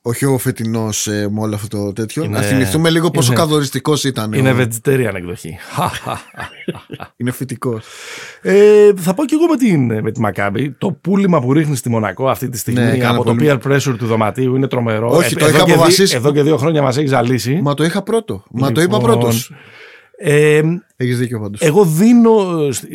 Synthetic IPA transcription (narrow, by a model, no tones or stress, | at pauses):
oçiofet̪ino̞semoloɐft̪ot̪ot̪e̞t̪çonɐθimiθθumeliɣopos̬okɐθo̞ɾist̪iko̞sit̪ɐnineve̞d͡zit̪eɾiɐneɡðo̞çḭxaa̰ | inefit̪ikoseθɐpo̞ce̞ɣo̞met̪inme̞t̪imɐkɐbit̪o̞pulimɐpuɾixnist̪imo̞nɐ̰ko̞ɐft̪it̪i̥st̪iɣmiɐo̞t̪opiɐɾpɾesoɾt̪uðo̞mɐ̰t̪iuine̞t̪ɾo̞me̞ɾooit̪oioɐfɐsiseðo̞ce̞ðio̞xɾo̞ɲɐmɐs̬e̞çisɐlisimɐt̪o̞ixɐpɾo̞t̪omɐoipɐpɾoon | e | eçizðiceopɐnd̪oseɣo̞ðino̞s